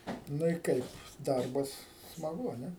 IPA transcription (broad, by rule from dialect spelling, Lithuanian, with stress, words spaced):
ˈnʊ ɪ ˈkɐɪp ˈdɐrbɐs smɐˈɡʊ ɐ ˈnʲɛ